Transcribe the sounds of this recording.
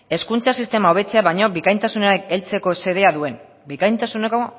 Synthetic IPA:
e̞skunt͡sasist̪e̞mao̞β̞e̞t͡se̞aβajɲo̞bikajnt̪asuneekelt͡se̞ko̞se̞ðe̞aðue̞n | bikajnt̪asuneko̞

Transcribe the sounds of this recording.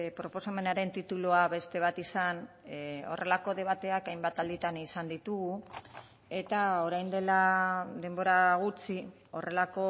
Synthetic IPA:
pɾo̞po̞same̞naɾe̞nt̪it̪uluaβe̞st̪e̞β̞at̪isan | o̞̰rʔe̞lako̞ð̞e̞β̞at̪e̞akajmbat̪ald̪it̪anisand̪it̪uɣu | e̞t̪ao̞ɾajnd̪e̞lad̪e̞mbo̞ɾaɣ̞ut͡si | o̞re̞lako̞

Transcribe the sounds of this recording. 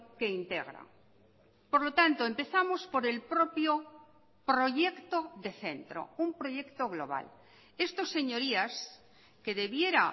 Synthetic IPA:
ke̞int̪e̞̰ɣɾa̰ŋ | poɾlot̪ant̪oempe̞θamo̞spo̞ɾe̞lpɾopjo | pɾo̞ʝekt̪oðe̞θe̞̰nt̪ɾo̞̰umpɾo̞ʝe̞kt̪o̞ɣloβa̰l | e̞st̪o̞se̞ɲo̞ɾias | ke̞ðe̞βje̞ɾa

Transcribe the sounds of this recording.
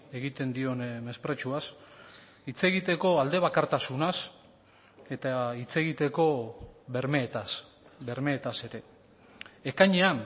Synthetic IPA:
e̞ɣit̪e̞nd̪io̞nme̞spɾe̞t͡ʃuas | it͡se̞ɣit̪e̞ko̞ald̪e̞β̞akaɾt̪asunas | e̞t̪ait͡se̞ɣit̪e̞ko̞βe̞ɾmeːt̪as | βe̞ɾme̞ːt̪ase̞ɾe̞ː | kaɲe̞an

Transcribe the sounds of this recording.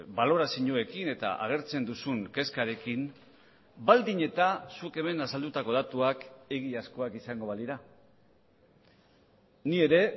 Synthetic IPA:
balo̞ɾasiɲoe̞kine̞t̪a̰ʔa̰ɣ̞e̞ɾt͡se̞nd̪usuŋke̞skaɾe̞kin | bald̪iɲe̞t̪asuke̞me̞nasald̪ut̪ako̞ð̞at̪uake̞ɣiasko̞akisaŋɡo̞βaliɾa | nie̞ɾe̞

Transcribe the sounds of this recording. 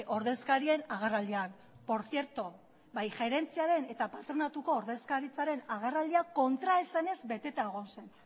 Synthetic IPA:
ʔo̞ɾðe̞skaɾie̞naɣ̞erald̪ian | po̞ɾθie̞ɾt̪o | bajxe̞ɾe̞nt͡siaɾe̞ne̞t̪apat̪ɾo̞nat̪uko̞ːɾðe̞skaɾit͡saɾe̞naɣ̞erald̪iako̞nt̪ɾaesane̞zbe̞t̪e̞t̪aeɣ̞o̞nse̞n

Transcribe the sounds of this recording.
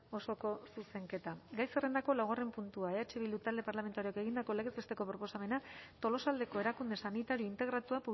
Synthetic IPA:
o̞so̞ko̞suse̞ŋke̞t̪aɡajsere̞nd̪ako̞lawɣ̞are̞mpunt̪uaeat͡ʃeβild̪ut̪ald̪e̞paɾlame̞nt̪aɾioeke̞ɣ̞ind̪ako̞leɣezβest̪e̞ko̞pɾo̞po̞same̞nat̪o̞lo̞sald̪e̞ko̞e̞ɾakund̪e̞sanit̪aɾio̞int̪e̞ɣ̞ɾat̪uapu

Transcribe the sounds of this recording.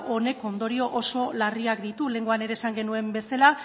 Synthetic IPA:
o̞ne̞ko̞nd̪o̞ɾio̞ʔoso̞lariakd̪it̪ule̞ŋɡoane̞ɾe̞ːsaŋɡe̞nue̞mbe̞sala

